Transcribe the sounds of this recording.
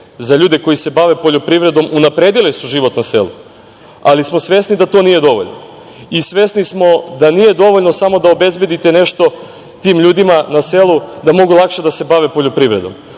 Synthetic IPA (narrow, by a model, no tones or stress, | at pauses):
zaʎuːd̪e̞ko̞jise̞baʋe̞po̞ʎopɾiʋɾe̞d̪o̞munapɾe̞ːd̪ilisuʒiʋo̞t̪nase̞̰lˠṵ | alismo̞sʋe̞snid̪at̪o̞nije̞d̪o̞ʋo̰ʎno̰ | isʋesnismo̞d̪anije̞d̪o̞ʋoʎnosamo̞d̪aobe̞zbe̞d̪it̪e̞ne̞ʃt̪o̞ | t̪iːmʎuːd̪imanaselud̪amo̞ɡulˠakʃed̪ase̞baʋe̞po̞ʎopɾiʋɾe̞d̪o̞̰m